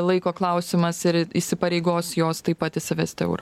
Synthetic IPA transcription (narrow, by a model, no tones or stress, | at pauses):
lˠɐɪkoːklˠɐʊsʲɪmɐsɪɾisʲɪpɐɾʲɛɪɡoːsjoːst̪ɐɪpːɐt̪ʲɪʃʲsʲɪʋʲɛsʲt̪ʲɪɛ̰ʊɾ